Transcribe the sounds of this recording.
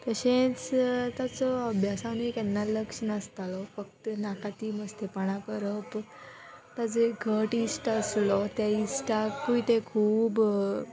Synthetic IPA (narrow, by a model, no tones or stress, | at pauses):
t̪əɕẽt͡st̪at͡sɔəbʱjasanuekɛnːaləkʂəɳəst̪alɔfək̚t̪ənakʰat̪iməst̪epaɽ̃akəɾəp | t̪ad͡zeɡʱəʈisʈəslɔt̪aisʈakkuit̪ekʰuːb